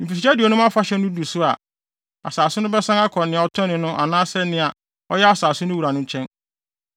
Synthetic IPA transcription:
nĩ˨fi˨i˨t͡ɕa˦di˨ɔ˨nʊ̃˦mã˦fa˦ɕɛ˦nʊ̃˦du˨sʊ˦a˨ | a̰˨saː˨sʊ˦nʊ̃˦bɛ˦sã˦ŋa˦kʰɔ̃˨nɪ̃˨ɔ˨tʰɔ̃˦nɪ̃˨nʊ̃˦ʔa˨nãː˦sɛ˦nɪ̃˨a˨ | ɔ˦jɛ˦a˦saː˨sʊ˦nʊ̃˦wu˨ɾa˨nʊ̃˦ɲ˦t͡ɕʰɛ̃˦n

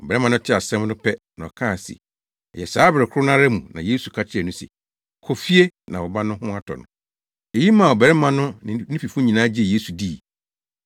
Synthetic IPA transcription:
ɔ˨bɛ˨ɾɛ˦mã˨nʊ̃˦tʰɪ˦a˨sɛ̃˦mnʊ̃˦pʰɛ˦nã˨ɔ̰˨kʰãː˦˨sḭ˨ | ɛ˨jɛ˨saː˨˦bɾɪ˨kʰʊ˦ʊ˦nã˦ɾɛ˦mṵ̃˨nã̰˨je˦su˨kʰa˦t͡ɕʰɪ˦ɛ˨nʊ̃˦sɛ̰˨ | kʰɔ˨fi˦e˦nã˨wɔ˨ba˦nʊ̃˦hʊ̃˦a˦tʰɔ̰˨nʊ̰̃˦ | e˨ji˦mã˨ɔ˨bɛ˨ɾɛ˦mã˨nʊ̃˦nɪ̃˨nĩ˦pi˨fʊ̃˦ɲĩ˨nãː˨˦d͡ʑɪ˦e˨je˦su˨di˦˨

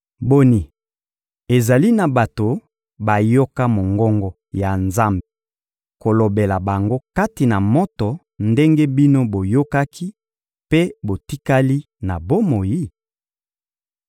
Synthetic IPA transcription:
bo˦ni˨ | e˨za˨li˦na˨ba˨to˨ | ba˨jo˦ka˦mo˨ŋɡɔ˦ŋɡɔ˦ | ja˨nza˦mbe˨ | ko˨lo˨be˨la˨ba˨ŋɡo˦ka˦ti˨na˨mo˦tɔ˨ | nde˦ŋɡe˦bi˦no˦bo˨jo˦ka˦kʰi˦ | pe˦bo˨ti˦ka˦li˦ | na˨bo˦mo˨ji˦

